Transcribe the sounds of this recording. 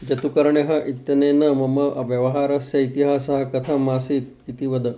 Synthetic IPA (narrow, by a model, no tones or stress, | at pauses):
d͡ʒɐt̪ukɐɾɳeɦɐʔit̪jɐnenɐmɐmɐʔɐʋjɐʋɐɦaːɾɐsjɐit̪iɦaːsɐɦɐkɐt̪ʰɐmasiːt̪ | it̪iʋɐd̪ɐ